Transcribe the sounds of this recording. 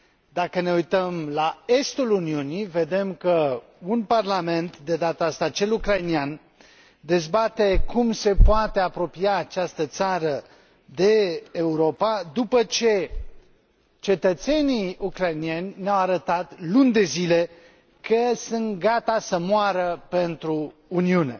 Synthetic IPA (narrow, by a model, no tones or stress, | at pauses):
d̪akəne̞ujt̪əmlae̞st̪uluniunive̞d̪e̞mkə | unparlame̞nt̪d̪e̞d̪at̪aast̪at͡ʃe̞lukɾajnian | d̪e̞zbat̪ekumse̞poat̪e̞apɾo̞piaːt͡ʃast̪ət̪saɾə | d̪e̞ːuɾo̞pad̪upət͡ʃe̞ | t͡ʃe̞t̪ət̪se̞niukɾajnie̞nʲneawaɾət̪at̪lunʲd̪e̞zile̞ | kʰəsɨnt̪ɡat̪asəmuaɾəpe̞nt̪ɾuːniune̞̰